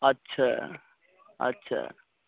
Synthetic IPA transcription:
ɐtːɕʰa | ɐ̰tːɕʰa̰

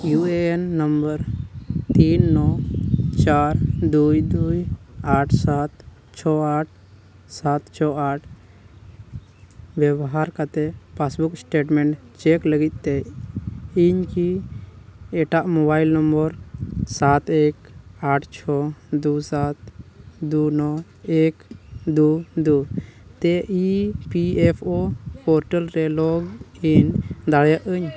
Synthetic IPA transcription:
juenːəmbəɾt̪inːɔt͡ʃaɾd̪ujd̪ujaʈʰsat̪ | t͡ʃʰɔaʈʰ | sat̪t͡ʃʰɔaʈʰ | bjɛbɦaɾkat̪ɛpʰasbuksʈeʈmẽɳʈ | t͡ʃekləɡit̪̚ˀt̪ɛ | iɲki | ɛʈaʔmɔbajlnɔmbɔɾsat̪ekaʈʰt͡ʃʰɔd̪usat̪d̪unɔ | ekd̪ud̪ut̪ɛʔipiɛpʰopɔɾʈəlɾɛlɔɡind̪aɽjəʔəɲ

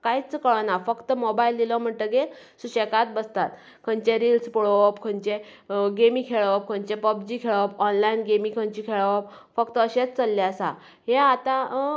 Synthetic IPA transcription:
kajt͡skəɭənafəkt̪əmobajild̪ilɔm̤əɳʈ̪əɡe | suɕekat̪̚bəst̪at̪ | kʰəɲt͡ɕeɾilspɔɭopkʰəɲt͡ɕe | ɡemikʰeɭəp̚kʰəɲt͡ɕepəbd͡ʑiːkʰeɭəpɔnlainɡemikʰəɲt͡ɕiːkʰeɭəpfəkt̪əəɕet͡st͡səlːeəsa | ɦeat̪ã

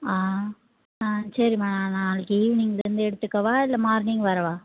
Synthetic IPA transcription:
aː | asɐɾimãːnãːnãːlɯkːiːʋnɪŋɡɐnd̪ɯɛɽɯt̪ːɯkːɐʋãːɪlːɐmaːɾnɪŋɡʋɐɾɐʋãː

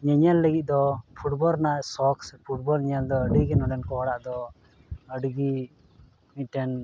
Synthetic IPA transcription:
ɲɛɲalːəɡit̪̚ˀd̪ɔpʰuʈbɔlnasɔkspʰuʈ̚bɔlɲald̪ɔəɖiɡɛnɔɖɛnkɔɦɔɽaʔd̪ɔ | əɖɡi | miʈɛn

